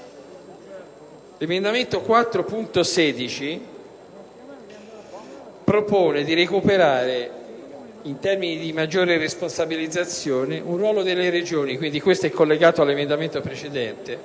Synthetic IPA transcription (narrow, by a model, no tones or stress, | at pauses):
lemend̪ament̪okwat̪ːɾopunt̪osɛːd̪it͡ʃi | pɾopoːned̪iɾekupeɾaːɾe | int̪ɛrminid̪imad͡ʒːoːɾeresponsabilid̪zːat̪sːjoːneʔunrːwɔːlod̪elːeɾed͡ʒoːnikwind̪ikwest̪oɛkːolːeɡaːt̪oalːemend̪ament̪opɾet͡ʃed̪ɛnt̪e